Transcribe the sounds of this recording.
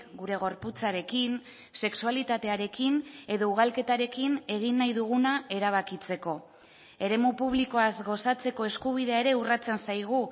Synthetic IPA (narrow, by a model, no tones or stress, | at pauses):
ɡuɾe̞ɣ̞o̞ɾput͡saɾe̞kin | se̞ksualit̪at̪e̞aɾe̞kine̞ðo̞uɣ̞alke̞t̪aɾe̞kine̞ɣ̞inːajðuɣ̞unae̞ɾaβ̞akit͡se̞ko̞ | e̞ɾe̞mupuβ̞liko̞azɡo̞sat͡se̞ko̞e̞skuβ̞iðe̞ae̞ɾe̞urat͡se̞nsajɣ̞u